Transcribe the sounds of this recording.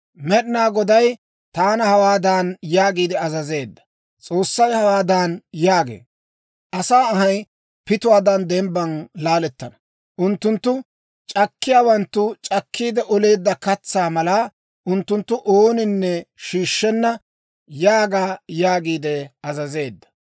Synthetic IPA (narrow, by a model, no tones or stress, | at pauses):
mɛɗnaːɡɔd̪ɐj | t̪aːnɐhɐwaːd̪aːnjaːɡiːd̪ɛɐzɐze̞ːd̪ːɐ̥ | t͡sʼo̞ːsːɐjhɐwaːd̪aːnjaːɡḛː | ʔɐsaːɐɦɐj | pɪt̪ʊwaːd̪ɐnd̪ɛmbɐnlaːlɛt̪ːɐnɐ | ʔʊnt̪ːʊnt̪ːʊ | t͡ʃʼɐkːɪjaːwɐnt̪ːʊt͡ʃʼɐkʰːiːd̪ɛʔɔle̞ːd̪ːɐkɐt͡sːaːmɐla | ʔʊnt̪ːʊnt̪ːʊʔoːnɪnːɛʃiːʃːɛnːɐ | jaːɡaːjaːɡiːd̪ɛɐzɐze̞ːd̪ːɐ̥